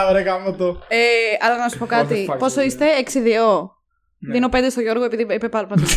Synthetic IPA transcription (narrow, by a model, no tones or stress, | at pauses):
ɾekɐmot̪oeɐlɐnɐsu̥po̞kɐt̪ipo̞so̞ist̪e̞ːksiðio̞ | ðino̞pend̪est̪oʝo̞ɾɣoe̞piðiipepɐlpɐ